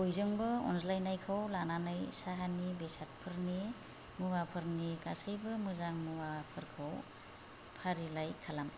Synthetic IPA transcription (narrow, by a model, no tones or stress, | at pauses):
ojzɯŋbɯɔ̰nslajnajkʰawlananajsaɦanibesat̚pʰɯɾni | mɯwapʰɯɾnikasɯjbɯmɯzaŋmɯwapʰɯɾkʰaw | pʰaɾilajkʰalam